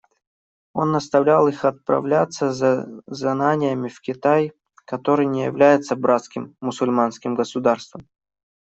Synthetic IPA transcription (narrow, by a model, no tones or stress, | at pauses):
o̞nːəst̪ɐvlʲalˠixɐt̪̚pɾɐ̰vlʲat̪sːəzznanʲɪjəmʲɪfkʲɪt̪aj | kɐt̪o̞ɾɨjnʲɪjɪ̰vlʲæjɪt̪səbɾʔat̪skʲɪmːʊsʊlʲmanskʲɪmɡəsʊd̪arst̪vəm